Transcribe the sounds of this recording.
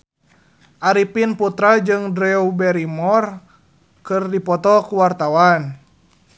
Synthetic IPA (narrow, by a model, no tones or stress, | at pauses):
ʔaɾipinput̪ɾad͡ʒɨŋdɾɛubɛɾimɔr | kɨrdipɔt̪ɔkuwart̪awan